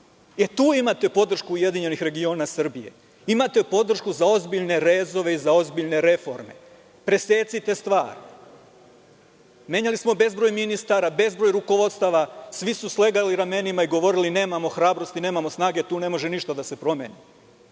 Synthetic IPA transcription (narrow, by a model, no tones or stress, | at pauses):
et̪uːimat̪e̞po̞d̪rʃkuːje̞d̪iɲe̞nixɾe̞ɡio̞ːnasr̩bije̞̰ | imat̪e̞po̞d̪r̩ʃkuzao̞zbiʎne̞ɾeːzo̞ʋe̞izao̞zbiʎne̞ɾe̞fo̞̰ɾme̞̰ | pɾe̞se̞ːt̪sit̪e̞st̪ʋa̰ːɾi | me̞ɲalismo̞be̞zbɾoːjminist̪aːɾabe̞zbɾo̞ːjɾuko̞ʋo̞d̪st̪aːʋasʋisusle̞ɡaliɾame̞nimaiɡo̞ʋo̞ɾiline̞ːmamo̞xɾaːbɾo̞st̪ine̞ːmamo̞snaːɡet̪uːne̞mo̞ʒeniʃt̪ad̪ase̞pɾo̞meːni